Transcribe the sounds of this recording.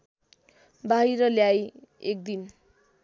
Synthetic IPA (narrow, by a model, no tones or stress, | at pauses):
baɦiɾʌljajek̚d̪in